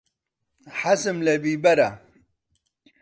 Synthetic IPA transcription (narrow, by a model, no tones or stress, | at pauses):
ħasɨmlebiːbɐɾa